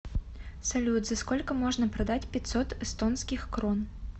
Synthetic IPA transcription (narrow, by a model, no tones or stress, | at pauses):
sɐlʲud̪zɐskɔlʲkɐmɔʐnɐpɾɐd̪at͡sʲpʲɛt̪sɔt̪ɛst̪ɔnskʲixkɾɔn